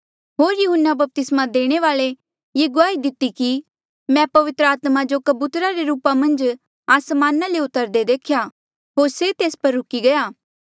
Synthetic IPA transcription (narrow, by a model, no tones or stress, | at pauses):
ɦoːɾjʊɦənːabɐp̚t̪ɪsmad̪eːɽ̃eʋaːle | jeːɡʊaːid̪ɪt̪ːiki | mɛ̃pɐʋɪt̪ɾəaːt̪mad͡ʒokɐbuːt̪ɾaɾeɾuːpamɐ̃nd͡ʒ | aːsmaːnaleʊt̪əɾd̪ed̪eːkʰja | ɦoːɾset̪eːspɐɾːʊkiɡɐjaː